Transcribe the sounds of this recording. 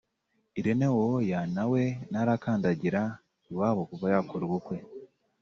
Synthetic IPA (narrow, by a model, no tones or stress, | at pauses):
iɾenewojanawe̞naɾakaːndaɟiɾa | iwaːβokuvajakoɾiɡukwe̞